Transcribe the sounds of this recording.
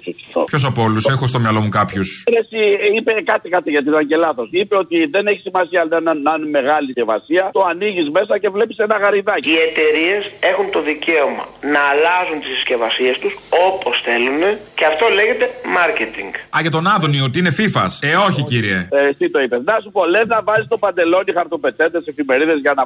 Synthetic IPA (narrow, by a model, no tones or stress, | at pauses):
fikθo̰pço̞s̬ɐpoolusexost̪omjɐlo̞mukɐpçusɾesiipekɐt̪ikɐt̪iʝɐt̪isɐɲɟe̞lɐθo̞sipe̞o̞t̪iðe̞ne̞çi̥simɐsiɐnɐnɐɐnme̞ɣɐlicevɐ̰siɐt̪oɐniʝizme̞sɐce̞vle̞pi̥se̞nɐɣɐɾiðɐciet̪e̞ɾie̞se̞xunt̪o̞ðice̞omɐ̰nɐːlɐzunt̪isscevɐsie̞st̪uso̞po̞sθe̞lune̞ceɐft̪o̞leʝet̪e̞mɐɾcet̪ḭŋɡɐʝɐt̪o̞nɐðoniot̪iine̞fifɐ̰seo̞çiciɾiḛest̪it̪o̞ipesnɐsupo̞le̞nɐvɐzist̪o̞pɐnd̪e̞lo̞nixɐɾt̪o̞pe̞t͡se̞d̪ese̞fime̞ɾiðe̞zʝɐnɐ